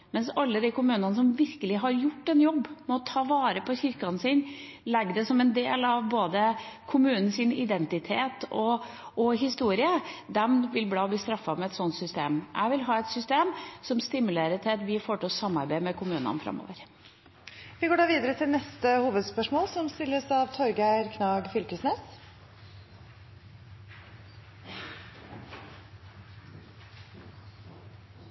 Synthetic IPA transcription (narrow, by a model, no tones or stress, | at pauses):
mɛnsɑlːəd̪ikʊmʉːnɑnəs̬ɔmʋɪɾkəlɪɦɑɾjʊʈːɛnjɔbːmɛt̪ʰɑːʋɑːɾəpʰɔçɪɾkɑnsɪnlɛɡːd̪ɛsɔmɛnd̪eːlɑʋboːd̪əkʰʊmʉːnn̩sɪnɪd̪ɛnt̪ɪt̪ʰeːt̪ɔ | ʔɔɦɪst̪uːɾɪəd̪ɛmʋɪlblɑːbliːst̪ɾɑfːɑmɛɛt̪sɔnt̪sʏst̪ḛːmʔæ̰ɪʋɪlɦɑːɛt̪sʏst̪eːmsɔmst̪ɪmʉleːɾət̪ʰɪt̪ʋɪfoːʈɔsɑmːɑɾbæɪmɛkʰʊmʉːnɑ̰nfɾɑ̰mːo̰ːʋəɾ | ʋɪɡoːɖɑːʋiːd̪əɾət̪ʰɪlnɛst̪əhuːʋəd̪spœʂmoːlsɔmst̪ɪlːəsɑʋt̪ʰɔɾɡæɾkʰnɑːɡfʏlkəsneːs